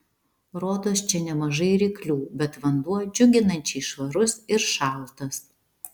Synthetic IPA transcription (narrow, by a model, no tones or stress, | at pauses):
ɾoːd̪oːst͡ʃʲɛnʲɛmɐʒɐɪɾʲiːklʲuːbʲɛt̪ʋɐnd̪uɔd͡ʒʲʊɡʲɪnɐnʲt͡ʃʲɛɪʃʋɐɾʊsɪɾʃɑːˑlˠt̪ɐs